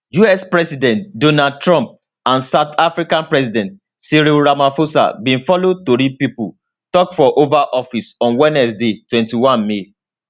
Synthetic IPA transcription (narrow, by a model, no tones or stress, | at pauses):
juɛspɹɛsidɛ̃ntdonad̚tɹɔ̃mp̚ | ãnsaʊt̪ʰafɹikãnpɹɛsidɛ̃nt̚ | siɾiɹamafosa̰bĩnfɔlotoɾipipul | tɔkfɔʔovaʔɔfisɔ̃nwɛnɛsdetwɛ̃ntiwãnme